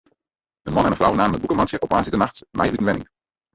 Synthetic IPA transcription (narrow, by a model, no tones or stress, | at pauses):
ʔənmɑnɛnənfrawnaːmənətbukəmɑnsəʔɔp̚maːnsətənaχtmʔɛ̰jʋytənʋɛnɪ̰ŋ